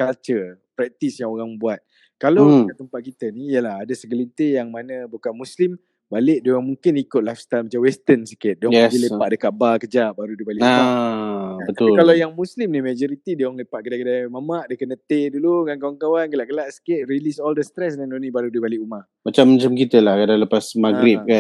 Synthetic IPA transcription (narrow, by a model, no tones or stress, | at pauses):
kalt͡ʃərpɾɛk̚t̪isjaŋoɾaŋbuat̪̚ | kalawat̪əmpat̪̚kit̪ənijəlahadəsəɡəlint̪ejaŋmanəbukanmuslim | balɪʔdoɣaŋmuŋkɪnikʊt̪̚lajfst̪armat͡ʃawɛst̪ənsi̥kɪt̪̚dɔɛsilepaʔdəkaʔbakəd͡ʒaʔbaɾudibalɪʔaa | bət̪ʊlkalajaŋmũslimnimad͡ʒɔɾit̪idaŋləpaʔ̚kədakədajmamaʔdəkənət̪eduluɡankawankawanɡəlaʔɡəlaʔsə̥kɪʔ̪̚ɾilisɔldəst̪ɾɛsnadonibaɾudibalɪʔuma | mat͡ʃamːat͡ʃamkit̪əlahkadaŋləpasmaɡɾɪp̚ka